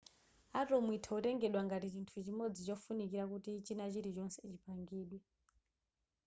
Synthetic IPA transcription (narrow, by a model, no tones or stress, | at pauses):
atɔmwitʰautɛŋɡɛɗwaŋɡatit͡ʃintʰut͡ʃimod͡zit͡ʃɔfunikiɾakutit͡ʃinat͡ʃiɾit͡ʃɔnsɛt͡ʃipaŋɡiːɗwɛ